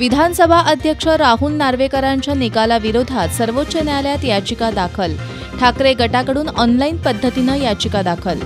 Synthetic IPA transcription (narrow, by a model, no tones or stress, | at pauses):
ʋid̪ʱansəbʱaʔəd̪ʱjəkʂəɾaɦuːlːaɾʋekəɾaɲt͡ɕjanikalaʋiɾod̪ʱat̪səɾʋot̪ːɕənjaljat̪jat͡ɕikad̪akʰəl | ʈʰakɾeɡəʈakəɽuːnɔnlainpəd̪ʱːət̪inəjat͡ɕikad̪akʰəl